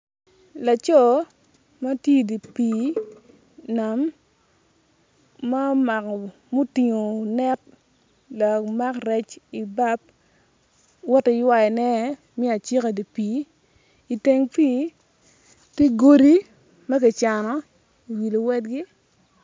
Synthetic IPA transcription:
la˨t͡ʃɔ˦˨ | ma˦tje˦˨di˨piː˨˦ | na˨m | a˦ma˨k | mo˦ti˨ŋo˨nɛ˦t̚ | la˨ma˦kɾɛ˨t͡ʃi˨ba˦p̚ | wɔ˦tɪ˨jwa˦ɛ˨nɛ˦ | m˦ɛ˦a˨t͡ʃi˦ka˨di˨piː˨˦ | i˨te˨ŋpiː˦ | te˦ɡo˦ɾi˦ | ma˦k̬ɪ˨t͡ʃa˨nɔ˨˦˨ | wi˨lo˨wɛ˦dɡɪ˦

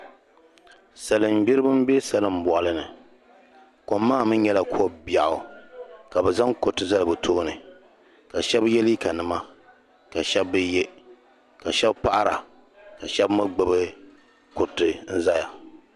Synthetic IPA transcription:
sa˨lɨ˨m̩˨bi˦ɾɨ˦bɨ˦m̩˦be˦sa˨lɨ˨m̩˨bɔ˨ʔa˨lɨ˦nɨ˨ | ko˨mː˦aː˦˨mɨ˦ɲɛ˦la˨kʰu˦o˦bja˨ʔʊ˨ka˨bɛ˨za˦ŋko˨tɨ˨za˦lɨ˨bɨ˨tʰo˦nɨ˨ | ka˨ʃɛ˦bjɛ˦li˦ka˨nɨ˨ma˦ | ka˨ʃɛ˦bːɨ˦je˦ | ka˨ʃɛ˦bpa˦ʔa˦ɾa˨ | ka˨ʃɛ˦bmɨ˦ɡ͡bɨ˨bɨ˦ | ko˨tːɨ˨n̩˦za˦ja˨

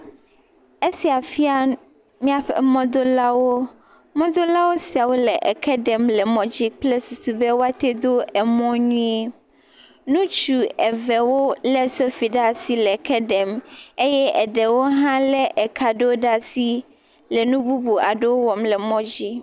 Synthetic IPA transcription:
e˦si˨a˨fi˦a˦ | mĩ˦a˨ɸɛ̰˨mɔ̃˦d̪o˦la˦wo˦ | mɔ̃˦d̪o˦la˦wo˦si˨a˨wo˦lɛ˨ʔɛ̰˨kʰɛ˦ɖɛ˨mlɛ˨mɔ̃˨d͡ʑi˦k͡plɛ˦su˨su˨bɛ˦wo˦a˦t̪e˦d̪o˦ɛ˨mɔ̃˦ɲũ˦e˦ | nũ˦t͡ʃu˨ɛ˨vɛ˨wo˦lɛ˦so˦fi˨ɖa˦si˦lɛ˨kʰɛ˦ɖɛ˨me˦jɛ˦ʔɛ˨ɖɛ˨wo˦ɦã˦lɛ˦ʔɛ˨kʰa˨ɖo˦ɖa˦si˦ | lɛ˨nũ˦bu˦bu˨a˨ɖe˦wo˦wɔ˨mlɛ˨mɔ̃˦d͡ʑi˦

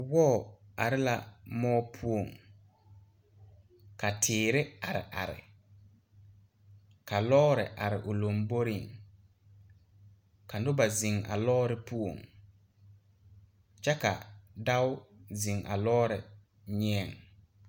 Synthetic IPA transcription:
wɔ˦˨a˨ɾɪ˦la˨mɔː˦pʰu˦o˨ŋ | ka˨tʰɪː˨ɾɪ˦a˨ɾɪ̰˨ʔa˨ɾɪ̰˨ | ka˨lɔː˦ɾɪ̰˨ʔa˨ɾɪ˨ʔʊ˨lo˨mbo˦ɾi˨ŋ | ka˨nʊ˦ba˨zi˨ŋa̰˨lɔː˦ɾɪ˦pu˦o̰˨ŋ | t͡ʃɛ˦ka̰˨da˦wʊ˦zi˨ŋʔa̰˨lɔː˦ɾɪ̰˨ | ɲɛ˦ɛ˨ŋ

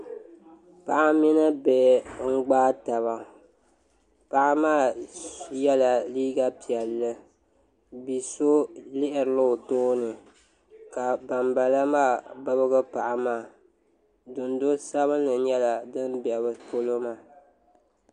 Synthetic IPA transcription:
pa˨ʔa˦mi˦na˦bɛ˨ŋ̩˦ɡ͡baː˦ta˨βa˨ | pa˨ʔa˦maː˦˨ | jɛ˦la˨liː˦ɡa˦pi˨ɛ˨lːɨ˦ | bi˨so˦lɪ˦ʔɪ˨ɾɨ˨˦lo˦˨toː˦nɨ˨ | ka˨ba˨mba˨la˦maː˦˨ba˦bɨ˦ɡɨ˦pa˨ʔa˨maː˦˨ | dʊ˨ndo˦sa˦βɨ˦nlɨ˨ɲɛ˦la˨dɨ˦mbɛ˨bɨ˨po˦lo˦maː˦˨

